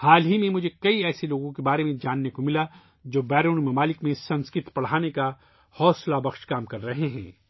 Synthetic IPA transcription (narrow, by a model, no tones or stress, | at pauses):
haːlɦimẽmʊd͡ʒʱekɐiɛːseloːɡõkebaːɾemẽd͡ʒaːnːekomɪla | d͡ʒoːbɛːɾoːnmɐmaːlɪkmẽsɐ̃nskɪt̪pɐɽ̤aːneka | hɔːslabɐxʃkaːmkɐɾːɐɦeɦɛ̰̃ː